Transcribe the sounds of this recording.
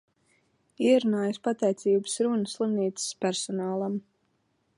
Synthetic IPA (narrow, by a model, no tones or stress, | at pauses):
iɛɾunaːjuspat̪ɛjt̪siːbɨ̥sɾunəslˠimniːt̪sə̥spæɾsɔnaːlˠam